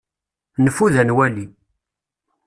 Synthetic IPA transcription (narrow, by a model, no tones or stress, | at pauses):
nəfːuðænwæli